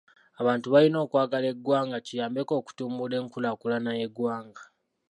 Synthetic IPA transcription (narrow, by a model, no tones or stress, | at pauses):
aβaːntuβalino̞ːkwaːɡale̞ɡwaːŋɡacijaːmbe̞ko̞ːku̥tuːmbule̞ːŋkulakulanaje̞ɡwaːŋɡa